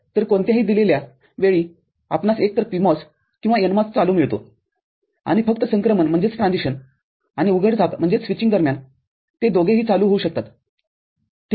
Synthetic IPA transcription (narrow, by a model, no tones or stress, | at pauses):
t̪əɾkoɳt̪jaɦiːd̪ilelja | ʋeɭiː | a̰pnasek̚t̪əɾpimɔs | kĩw̃ʋaenmat͡st͡saluːmiɭt̪o̰ | a̰ɽ̃ifəkt̪əsəŋkɾəmənm̤əɳd͡zet͡sʈɾãnd͡ziɕən | añiuɡʱəʈd͡zʱapm̤əɳd͡zet͡ssʋit͡ɕĩŋɡd̪əɾmjan | t̪ed̪oɡeɦiːt͡saluːɦouɕək̚t̪at̪ | t̪